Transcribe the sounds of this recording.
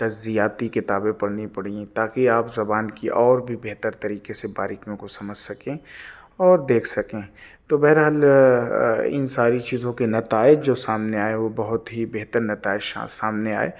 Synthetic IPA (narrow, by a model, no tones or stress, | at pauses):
t̪ɐd͡ʒzijaːt̪ikɪt̪aːbẽpɐɽnipɐɽiẽt̪aːkiaːpzɐbaːnkiʔɔːɾbʱibeɦt̪əɾt̪ɐɾiːkeseba̰ːɾɪkijõkosɐməd͡ʒʱsɐkẽ | ɔːɾd̪eːkʰsɐkẽːt̪oːbɛɦɾɦaːl | ɪ̰nsaːɾit͡ʃiːzõkenɐt̪aːɪd͡ʒd͡ʒoːsaːmneaːeʋobɐɦʊt̪ɦibeɦt̪əɾnɐt̪aːɪd͡ʒsa̰saːmnea̰ːḛː